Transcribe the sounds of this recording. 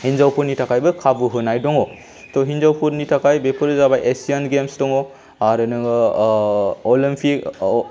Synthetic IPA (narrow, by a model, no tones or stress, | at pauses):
hinzawpuɾnitʰakajbɯkʰabuɦɯnajdɔŋɔ | tɔɦinzawpʰuɾnitʰakajbepʰɯɾzabajʔesianɡemstɔŋɔ | aɾɯnɯŋ | ɔlimpʰik